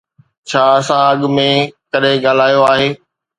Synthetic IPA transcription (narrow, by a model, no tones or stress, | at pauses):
t͡ɕʰaːɐsãɐɠʊmẽkɐɗɦẽɡaːl̤aːjoaːɦeː